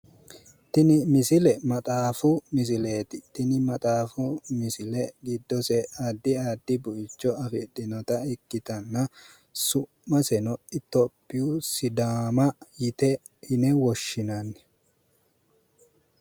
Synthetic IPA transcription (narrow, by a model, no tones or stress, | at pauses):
t̪ɪnɪmɪsɪlɛmɐt̪ʼaːfʊmɪs̬ɪle̞ːt̪ɪt̪ɪnɪmɐt̪ʼaːfʊmɪsɪlɛɡɪd̪ːɔsɛad̪ːɪad̪ːɪbʊʔɪt͡ʃːɔɐfɪd̪ɪnɔt̪ɐɪkːɪt̪ɐnːɐ | sʊmːɐsɛnɔɪt̪ːɔpːɪjusɪd̪aːmɐjɪt̪ɛ | hɪnɛwɔʃːɪnɐnːɛ